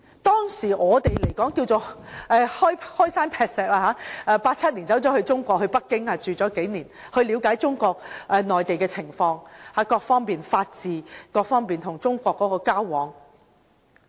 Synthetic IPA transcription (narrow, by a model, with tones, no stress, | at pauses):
t̪ɔː˥ŋsiː˨˩ʔɔː˨˧t̪e˨jle˨˩jkɔː˨˥ŋki˧wt͡so˨ʔɛː˧hɔː˥jhɔː˥jsaː˥npʰɛː˧k̚sɛː˨k̚laː˧ɦaː˨˥ʔɛː˧paː˧t̚t͡sʰɐ˥t̚ni˨˩nt͡sɐ˨˥wt͡sɔː˨˥hɵ˧ɥt͡sʊ˥ŋkʷɔː˧k̚hɵ˧ɥpɐ˥k̚kːɪ˥ŋhaː˧˩t͡ʃyː˨t͡sɔː˨˥ke˨˥jniː˨˩nhɵ˧ɥliː˨˧wkaː˨˥jt͡ʃʊ˥ŋkʷɔː˧k̚ʔɛː˨˧nɔː˨jt̪e˨jkɛ˧t͡sʰɪ˨˩ŋfɔː˧ŋha˨˥kɔː˧k̚fɔː˥ŋpiː˨nfaː˧t̚t͡siː˨kɔː˧k̚fɔː˥ŋpiː˨˩nt̪ʰʊ˨˩ŋt͡sʊ˥ŋkʷɔː˧kːɔː˨˦˥kɔː˧kaː˥wwɔː˨˥ŋ